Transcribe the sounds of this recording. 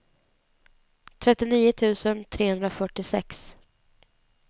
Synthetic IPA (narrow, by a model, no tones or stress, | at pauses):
t̪ʰɾɛt̪ːɪniːʊt̪ʰʉ̟ːsənt̪ʰɾeːhɵnd̪ɾafœʈːɪsɛks